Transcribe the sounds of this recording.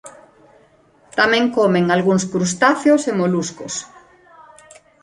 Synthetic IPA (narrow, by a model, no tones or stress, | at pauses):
t̪amẽŋkomẽŋalɣuŋskɾust̪aθjosemoluskos